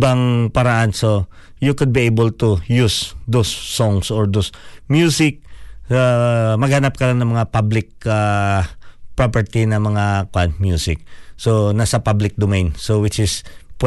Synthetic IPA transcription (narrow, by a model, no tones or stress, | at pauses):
baŋpɐɾɐʔanso | jukʊd̪̚biejbəlt̪ujusd̪osːɔŋsoɹd̪osmjusɪk̚amɐɡ̚hɐnap̚kɐlaŋnɐŋmɐŋapablɪk̚a | pɹapɛɹt̪inɐmɐŋakwant̪̚mjusɪk̚sonasɐpablɪk̚d̪omejnsowɪt͡ʃɪsp